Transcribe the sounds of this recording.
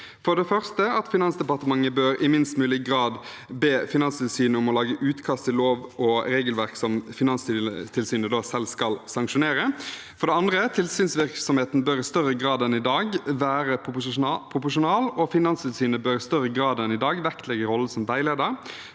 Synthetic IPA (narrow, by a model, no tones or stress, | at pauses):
fɔd̪ɛfœʁst̪əɑt̪fɪnɑnsd̪ɛpɑʁt̪əmɑŋːəbøːɾɪmɪnst̪mʉːlɪɡʁɑːd̪ | beːfɪnɑnst̪ʰɪlsyːnəʊmɔlɑːɡəʔʉːt̪kʰɑst̪ʰɪlloːʋɔɾeːɡəlʋæɾksɔmfɪnɑnst̪ɪt̪ʰɪlsyːnəd̪oːsɛlskɑlsɑŋkʂʊneːɾə | fɔɾɖ̪ɛɑnd̪ɾət̪ʰɪlsyːnsʋɪɾksɔmheːt̪nbœɾɪst̪œʁəɡʁɑːd̪ɛnɪd̪ɑːɡʋæːɾəpʰʁʊpʊʂʊnɑːlɔfɪnɑnst̪ʰɪlsyːnəbœɾɪst̪œʁəɡɾɑːd̪ɛnɪd̪ɑːɡʋɛkt̪ʰlɛɡəɾɔlːəsɔmʋæɪleːd̪əɾ